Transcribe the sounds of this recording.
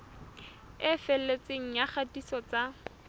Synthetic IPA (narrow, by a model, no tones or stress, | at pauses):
ɪfɛl̩ːet͡seŋ̩jaχatisɔt͡sa